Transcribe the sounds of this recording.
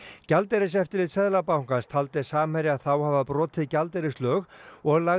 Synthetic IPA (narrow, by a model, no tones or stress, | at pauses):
calt̪eɾɪsɛft̪ɪɾlɪðsɛðlapawŋkast̪ʰalt̪ɪ̥saːmɛɾɪaðθawhavapɾɔːt̪ʰɪðcalt̪ɛɾɪslœːɣɔɣlaɣ